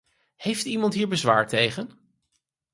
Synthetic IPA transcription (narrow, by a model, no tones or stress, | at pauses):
hejftimɑntɦiːɹbəzʋa̰ːɹtejχən